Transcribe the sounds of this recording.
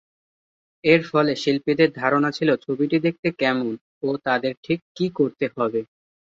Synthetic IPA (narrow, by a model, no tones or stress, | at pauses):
eɾfɔleʃilpid̪eɾd̪ʱaɾonat͡ɕʰilot͡ɕʰobiʈid̪ek̚t̪ekɛmon | ot̪ad̪eɾʈʰikːikoɾt̪eɦɔbe